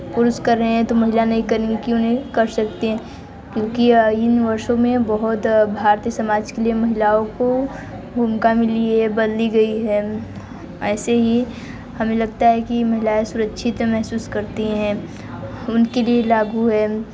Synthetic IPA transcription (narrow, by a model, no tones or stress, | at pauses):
pʊɾʊskɐɾːəɦɦɛ̃t̪omɐɦɪlanɐɦĩkɐɾeŋɡikiʊnɦẽkɐɾsɐkt̪eɦɛ̃ | kjõːkiɪnʋɐɾʃõmẽbɐɦʊt̪bʱaːɾt̪iəsɐmaːd͡ʒkeliemɐɦɪlaõko | bʱuːmkamɪliɦɛbɐd̪liɡɐiɦɛ | ɛːseɦi | hɐmẽlɐɡt̪aɦɛkimɐɦɪlaesʊɾəkʃʰɪt̪mẽmɛɦsuːskɐɾt̪iɦɛ̃ː | ʊnkelielaːɡuɦɛː